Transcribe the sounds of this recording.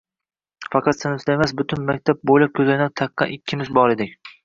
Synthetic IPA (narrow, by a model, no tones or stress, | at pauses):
fɑqʰɑt̪sɪnɪslajmasbʊt̪ʰʊnmakʲt̪ʰap̚bolap̚kʲʰɵzajnɒt̪ʰɑqːɑ̰ʔɪkʲʰːɪmɪzbɒɾe̞d̪ɪkʲ